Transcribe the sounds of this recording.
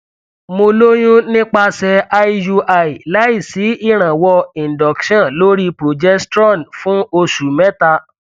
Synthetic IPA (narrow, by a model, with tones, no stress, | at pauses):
mo˧lo˦j̃ũ˦nĩ˦k͡pa˧sɛ˧a˦ju˧ʔa˨i˨la˨˦i˦˨si˨˦i˦˨ɾ̃ã˨wɔ˧ĩ˨dɔ˨kʃã˦˨lo˦ɾi˦pɾo˨d͡ʒɛ˦stɾɔ˦˨nfũ˦o˧su˨mɛ̃˦ta˧